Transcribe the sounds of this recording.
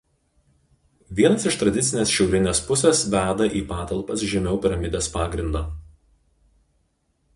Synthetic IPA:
ʋʲiɛnɐsɪʃt̪ɾɐd̪ʲɪt̪sʲɪnʲeːsʃʲɛʊɾʲɪnʲeːspʊsʲesʋʲæːd̪ɐʔiːpɑːt̪ɐlˠpɐsʒʲɛmʲɛʊpʲɪɾɐmʲɪd̪ʲeːspɑːɡɾʲɪnd̪ɑː

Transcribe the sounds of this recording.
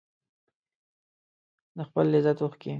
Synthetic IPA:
d̪əxpəlːɪzat̪oxke

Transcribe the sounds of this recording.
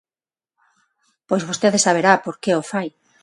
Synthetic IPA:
pojzβost̪eðesaβ̞eɾapoɾkeofaj

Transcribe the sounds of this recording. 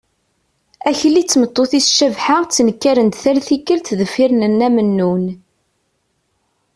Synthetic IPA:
æçəlːit͡sːmət̪ˤːoθisʃəvħaʁt͡sːnəkːæɾənd̪θælθikːəlt̪ðəfːiɾnənːæmənːun

